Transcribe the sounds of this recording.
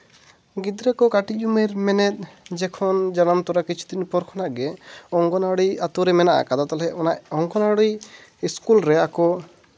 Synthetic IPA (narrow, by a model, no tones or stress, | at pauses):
ɡid̪ɾɛkɔkaʈiumiɾmɛnɛt̪̚ˀd͡ʒɛkʰɔnd͡ʒanamt̪ɔɾakit͡ʃʰu̥t̪inpɔɾkʰɔnaʔɡɛɔŋɡɔnaɽiat̪uɾɛmɛnaʔa̰kad̪at̪ɔlɛɔnaʔɔŋɡɔnaɽiiskulɾɛakɔ